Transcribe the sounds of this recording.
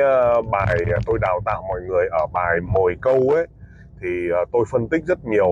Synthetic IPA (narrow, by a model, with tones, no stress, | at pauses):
ɓaː˨˩jt̪o˧jɗaː˨˩wt̪a̰ː˧˨wmɔ̰˧˨jŋɨ˨˩əjʔəː˧˩ɓaː˨˩jmo˨˩jkə˧wʔe˨˦j | t̪ʰi˨˩˨t̪o˧jfə˧nt̪ï˦˥k̟̚zə˦˥t̚ɲi˨˩əw